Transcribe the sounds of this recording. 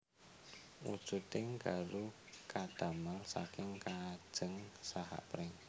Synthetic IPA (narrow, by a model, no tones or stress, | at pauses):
wṵd̥ʒ̥ṳt̪ɪŋɡalu | kad̪̥a̤malsa̰kɪŋkad̥ʒ̥əŋsaha̰ʔpɾɪŋ